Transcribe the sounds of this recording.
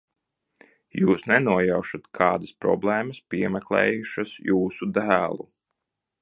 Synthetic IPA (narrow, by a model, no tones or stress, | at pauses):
juːsnɛnuɔjawʃat̪kʰɑːd̪aspɾɔ̰blˠɛːmɐspʲiɛmɛklˠɛ̰ːjuʃasjuːsud̪æːlˠu